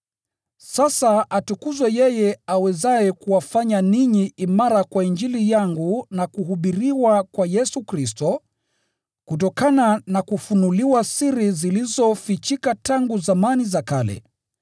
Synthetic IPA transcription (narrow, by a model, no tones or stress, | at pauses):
sasaʔatukuzwɛjɛjɛawɛzajɛkuwafaɲaniɲiimaɾakwaind͡ʒilijaŋɡunakuɦuɓiɾiwakwajɛsukɾistɔ | kut̬ɔkananakufunuliwasiɾizilizɔfit͡ʃikataŋɡuzamanizakalɛ̰